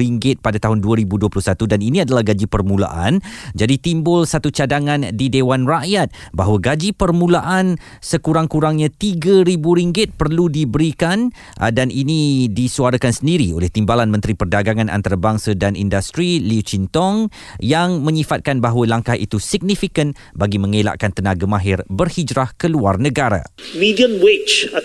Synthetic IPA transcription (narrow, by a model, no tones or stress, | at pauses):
iŋɡɪt̪̚padat̪aɦʊnduəɾibuduəplʊhsat̪udaninĩadalahɡad͡ʒipərmũla̰ʔand͡ʒadit̪imbʊlsat̪ut͡ʃadaŋãndidewanraʔjat̪̚baɦwəɡad͡ʒipərmũlaʔan | səkuɾaŋkuɾaŋɲãt̪iɡaɾibuɾiŋɡɪt̪̚pərludibəɾikan | ʔdanʔinidisuaɾakansəndiɾio̰lɛht̪imbalanmə̃nt̪ɾipərdaɡaŋãna̰nt̪aɾabaŋsadanʔḭndast̪ɾiliut͡ʃint̪ɔŋjaŋmə̃ɲifat̪̚kanbaɦwalaŋkaɦḭt̪usiɡ̚nifikən | baɡimə̃ŋela̰ʔkant̪ənaɡamãɦɪrbərhid͡ʒɾahkəluarnə̃ɡaɾa̰midiə̃mwet͡ʃ